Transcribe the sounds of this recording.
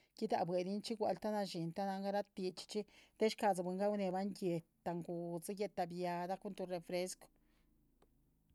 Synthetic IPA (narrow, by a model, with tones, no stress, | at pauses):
ki˦d̪a̰˨bwe˨d̪i˦nt͡ʃi˦ɡʷa̰˨˧lt̪a˦na˧ʃi˨nt̪a˦na˧ŋɡa˦ɾa˦t̪̚pi˧t͡ʃt͡ʃi˦t̪e˦ʃka˧za˨bʷwe˨ŋɡa˦wne˧˨ba˦nje˧t̪t̪ːa˨ŋɡu˨za˦je˧t̪ːa˧˨bja˨˧d̪a˦ku˦nt̪u˧ɾe˨fɾe˧sko̥˨